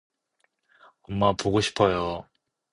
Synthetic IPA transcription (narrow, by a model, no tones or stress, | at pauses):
ʌmːapoɡoɕʰi̥pʰʌjo